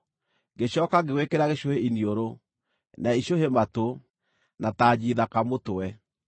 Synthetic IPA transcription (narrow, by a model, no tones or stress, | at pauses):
ɡeɕɔːkaɣewekeɾaɣeʃoheinioɾo | naiʃohemato | nataːd͡ʑiðakamotoɛ